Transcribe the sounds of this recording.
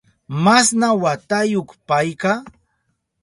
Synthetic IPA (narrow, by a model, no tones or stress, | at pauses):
masnawat̪ajoχpajka